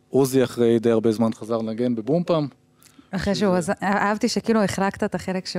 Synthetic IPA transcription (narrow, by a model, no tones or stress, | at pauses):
uziaχʁejd̪ejaʁbe̞zmanχazaʁlaɡe̞nbebumpam | aχʁejʃ̬euazaʔavt̪iʃekiːlueχʁakt̪at̪aχelekʃe